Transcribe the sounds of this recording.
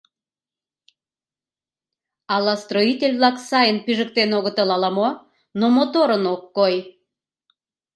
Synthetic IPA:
ɑlːɑst̪roitʲelʲβlˠɑksɑjənpiʒə̆k̚t̪enoɣət̪əlɑlɑmo | nomot̪oɾənokːoj

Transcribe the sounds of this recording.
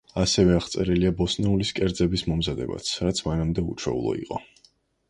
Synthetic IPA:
asɛvɛaχt̪sʼɛɾiliabɔsnɛuliskʼɛɾd̪zɛbismɔmzad̪ɛ̰ba̰t̪sʰɾat̪sʰmanamd̪ɛṵt͡ʃʰwɛ̰ṵlˠɔ̰ḭqʼɔ

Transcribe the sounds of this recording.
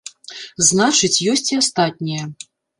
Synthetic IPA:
znat͡ʂɨt͡sʲjɔsʲt͡sʲiast̪at̪̚ʲnʲijɐ

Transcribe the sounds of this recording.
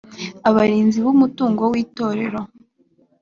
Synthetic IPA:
aβaɾiːnziβumutuːŋɡo̞wiːto̞ːɾe̞ɾo̞

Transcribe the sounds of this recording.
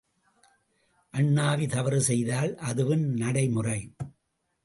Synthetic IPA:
ʔɐɳːaːʋit̪ɐʋɐɾɯsɛjðaːlʔɐðɯʋɯnnɐɽɐɪmʊrɐɪ

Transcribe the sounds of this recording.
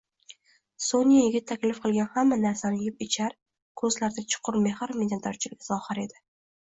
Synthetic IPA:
sonijajɪɡʲɪt̪ʰːakʲlɪfqʰɨlˠɡʲanhamːanaɾsanɪjɪpɪt͡ʃʰaɾ | kʰɵzlaɾd̪at͡ʃʰʊ̥qʰʊɾme̞hɾmed̪ʲant̪ɒɾt͡ʃʰɪlɡʲɪzɒχɨɾe̞d̪ɪ

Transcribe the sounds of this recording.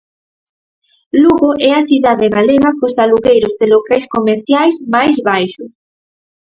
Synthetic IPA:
luɣoʔɛaθiðaðeɣaleɣakosaluɣejɾozðelokajskomeɾθjajsmajzβajʃʊ

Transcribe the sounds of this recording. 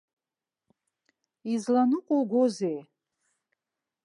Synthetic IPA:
izlanɨqʷʼoɡʷozej

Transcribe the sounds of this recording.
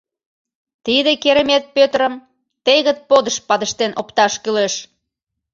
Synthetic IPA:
t̪id̪ekeɾəmet̪̚pøt̪ɾəm | t̪eɣət̪̚pod̪əʃpɑd̪əʃt̪enʔopt̪ɑʃkyleʃ

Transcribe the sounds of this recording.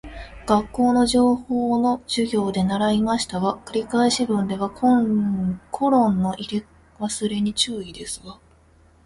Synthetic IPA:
ɡ̥akːo̞ːno̞ʑo̞ːho̞ːno̞ʑ̥ɨɡʲo̞ːd̪e̞naɾaimaɕi̥t̪aβakɯ̟ɾʲikaiɕibɯ̟̃nd̪e̞β̞ako | kʰo̞ɾõ̞nːo̞ʔiɾe | βasɨɾe̞ɲ̟it͡ɕɨːid̪e̞sɨɡa

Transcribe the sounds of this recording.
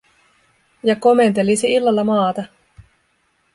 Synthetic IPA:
jɑko̞me̞nt̪e̞lisiilːɑlːɑmɑːt̪ɑ

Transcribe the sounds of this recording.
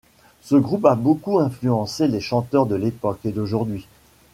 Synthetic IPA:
səɡʁupabokuɛ̃flyɑ̃seleʃɑ̃t̪œʁd̪əlepɔked̪oʒuʁd̪ɥi

